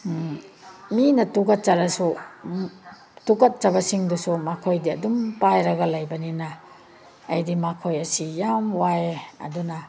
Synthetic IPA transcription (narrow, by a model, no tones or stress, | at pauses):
minɐtukɐt̚t͡ʃɐɾɐsu | tukɐt̚t͡ʃɐbɐsiŋdusumakʰojdiɐdumpajɾɐɡɐlɐjbɐninaː | jdimakʰojɐsijamwajeɐ̰dunɐ